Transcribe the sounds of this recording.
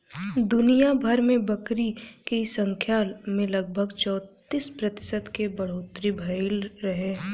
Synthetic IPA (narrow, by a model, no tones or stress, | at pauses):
d̪ʊnijabʱɐɾmẽbɐkɾikesə̃ŋkʰjaːlmẽlɐɡ̚bʱəɡt͡ʃɔːt̪ispɾɐt̪ɪ̥sət̪kebɐɽ̤oːt̪ɾibʱɐɪlɾɐɦeː